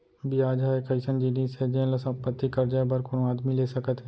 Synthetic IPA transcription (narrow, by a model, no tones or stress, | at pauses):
bijaːd͡ʒaːekɐɪsənd͡ʒiniːsed͡ʒẽnlɐsɐ̃mpət̪ːikɐɾd͡ʒabəɾkʊnaːd̪mileːsɐkət̪ɦɛ